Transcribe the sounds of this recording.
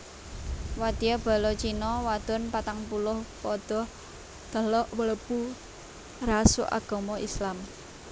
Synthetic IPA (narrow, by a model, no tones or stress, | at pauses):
wad̪̥ijab̥a̤lɔt͡ʃinɔwad̪̥ɔ̤npat̪aŋpulʊhpɔd̪̥ɔ̤h | d̪̥ə̤lɔʔwələbu | rasʊ̰ʔa̰ɡ̥ɔ̤mɔislam